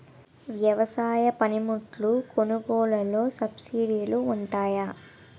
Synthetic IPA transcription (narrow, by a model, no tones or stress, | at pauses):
ʋjɐʋɐsaːjɐpɐnimuʈlukonuɡɔːlɐlo̞ːsɐbsiɽiluːɳʈaːja